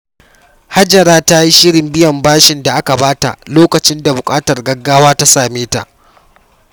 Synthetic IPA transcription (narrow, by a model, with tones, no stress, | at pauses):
ha˦d͡ʒɐ˨ɾaː˦ta˦ji˦ʃɪ˦ɽɪ˨mbɪ˦jɐ˨mbaː˦ʃɪ˨nda˨ʔa˦ka˨baː˦ta̰˨ʔloː˦kɐ˨t͡ʃɪ˦nda˨bʊ˨kʼaː˦tɐ˨rɡɐ˦ɡːaː˦waː˦ta˦saː˨meː˦ta̰˨ʔ